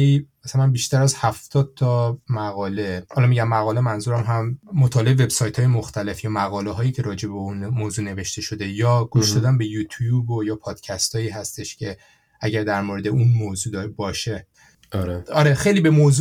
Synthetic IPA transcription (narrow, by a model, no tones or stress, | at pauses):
imæsælænbiʃt̪æɾæzhæft̪ʰɒːd̪̚t̪ʰɒmæɣɒːle̞hɒːlɒmiːɟæmːæɣɒːle̞mænzuːɾæmɦæmːot̪ʰɒːle̞eve̞bsɒːjt̪ʰhɒːjemoxt̪æle̞fjɒːmæɣɒːleɦɒːjiːcʰe̞ɾɒːd͡ʒe̞beunmoːzuːne̞ve̞ʃt̪e̞ʃod̪e̞jɒːɡ̥uʃd̪ɒːd̪ænbe̞jut̪ʰjubojɒːpʰɒːd̪̥cʰæst̪ʰɒːiːɦæst̪e̞ʃcʲʰe̞ | æɟæɾd̪æɾmoɾe̞d̪eunmoːzuːd̪ɒɾebɒːʃe̞ | ɾeɒɾexe̞jliːbe̞moːzu